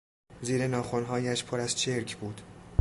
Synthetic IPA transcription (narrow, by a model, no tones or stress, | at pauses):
ziːɾe̞nɒːxo̞nɦɒːjæʃpʰoɾæz̥t͡ʃʰe̞ɾcʰbuːd̪̥